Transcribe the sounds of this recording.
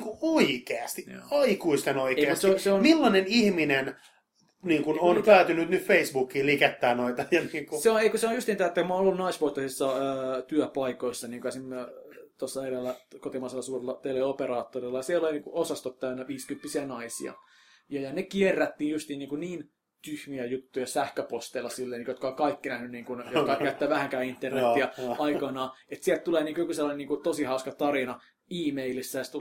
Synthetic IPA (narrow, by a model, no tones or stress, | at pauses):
ŋkuoikeæst̪ḭɑikuist̪enoikeieætseoseonmilːɑnenihminen | niːŋkunonp̪æyt̪ynyt̪nytfeisbukːiːlikæt̪ːæːnoit̪ɑjɑniːŋkuseoneikoseonjust̪int̪æːet̪ːækumɑnolːunɑisʋoit̪ːɑsisːɑːt̪yøpɑikoisːɑniːkøæsimːøt̪osːɑeɾelːækot̪imɑiselːɑsuːrelːɑt̪eleopeɾɑːt̪ːorilːɑjɑsieloliniːkuosɑst̪ot̪t̪æynːæʋiːskympːisiænɑisḭɑ̰ | jɑjɑnekierːæt̪ːiːnjust̪iːniːŋkuniːn | t̪yhmiæjut̪ːujɑsæhkøpost̪eilːˑɑsilːeːniːkjot̪kɑoŋkɑikːinæhnynniːŋkunjokɑkæyt̪ːæːʋæhæŋkæːint̪ːernet̪ːiɑɑikonɑːet̪sielt̪t̪uleːniːŋkujokuselːɑneniːŋkut̪osihɑuskɑt̪ɑɾinɑ | iːmeilisːæjɑst̪